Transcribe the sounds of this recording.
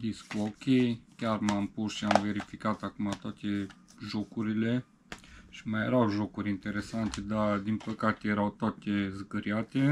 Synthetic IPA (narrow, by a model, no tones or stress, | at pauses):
d̪iskuokʲejkʲarmampusʃiamve̞ɾifikat̪akumat̪oat̪e̞ | ʒokuɾile̞ | ʃi̥majeɾawʒokuɾʲint̪e̞ɾe̞sant̪ed̪ad̪inpəkat̪e̞je̞ɾawt̪oat̪ezɡəɾiat̪e̞